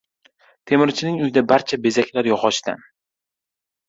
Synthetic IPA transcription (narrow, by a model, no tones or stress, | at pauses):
t̪ʰe̞mɪɾt͡ʃʰɪnɪŋʊjɪd̪abaɾt͡ʃʰabe̞zakʲlaɾjɒʁɒʃt̪a̰n